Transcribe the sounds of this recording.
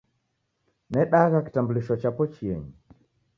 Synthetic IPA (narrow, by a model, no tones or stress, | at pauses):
nɛɗaɣaki̥tambuliʃɔt͡ʃapɔt͡ʃiɛɲi